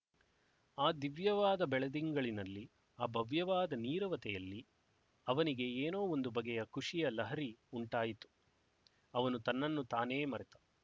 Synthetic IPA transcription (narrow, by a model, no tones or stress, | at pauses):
aːd̪iʋjɐʋaːd̪ɐbɛɭɐd̪iŋɡɐɭinɐlːi | aːbʱɐʋjɐʋaːd̪ɐniːɾɐʋɐt̪ɛjɐlːi | ɐʋɐniɡe̞eːno̞ːond̪ubɐɡɛjɐkuʂijɐlɐɦɐɾiuɳʈaːjit̪u̥ | ɐʋɐnut̪ɐnːɐnːut̪aːne̞ːmɐɾɛt̪ḁ